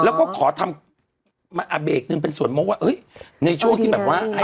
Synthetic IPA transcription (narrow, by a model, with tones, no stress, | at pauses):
lɛː˦˥wkɔː˥˩kʰɔː˩˦t̪ʰa˧m | ma˧ʔaː˧beː˨˩k̚nɯ˧ŋp̬e˧nsu˨˩ənmoː˦˥kwaː˥˩ʔɤː˦˥jna˧jt͡ɕʰu˥˩ŋt̪ʰiː˥˩ɛː˨˩p̚waː˥˩ha˥˩